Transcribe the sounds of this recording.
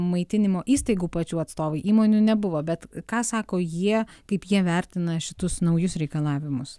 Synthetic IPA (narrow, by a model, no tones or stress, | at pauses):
mɐɪt̪ʲɪnʲɪmoːʔiːst̪ɐɪɡuːpɐt͡ʃʲuːɐt̪st̪oːʋɐɪʔiːmoːnʲuːnʲɛbʊʋoːbʲɛt̪kɑːsɑːkoːjiɛkɐɪpjiɛʋʲɛɾʲt̪ʲɪnɐʃʲɪt̪ʊsnɐʊjʊsɾʲɛɪkɐlˠɑːʋʲɪmʊs